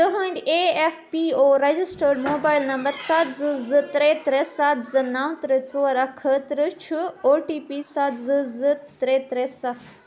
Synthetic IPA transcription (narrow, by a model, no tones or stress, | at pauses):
b̥ɪɦãɪ̃ɳɖeːefpiːoːɾed͡ʒɪsʈəɾɖmoːbaːɪlnɐ̃mbəɾsɐt̪zɨzɨt̪ɾeːt̪ɾesɐt̪zɨnɐ̃t̪ɾet͡soːɾɐkʰət̪ɾɨt͡ʃʰɨoːʈiːpiːsɐt̪zɨzɨt̪ɾet̪ɾesɐ